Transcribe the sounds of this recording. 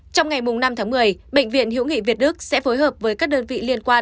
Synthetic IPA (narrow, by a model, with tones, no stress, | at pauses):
t͡ɕɔ˧wŋ͡mŋa˨˩jmʊ˨˩ŋ͡mna˧mt̪ʰaː˨˦ŋmɨ˨˩əjɓḛ˧˨ŋvḭ˧˨ənɦḭ˧˥wŋḭ˧˨vi˨˩ət̚ɗɨ˦˥k̚sɛ̰˧˥foː˨˦jɦəː˨˩p̚vəː˨˦jkaː˦˥k̚ɗəː˧nvḭ˧˨li˧ənkwaː˧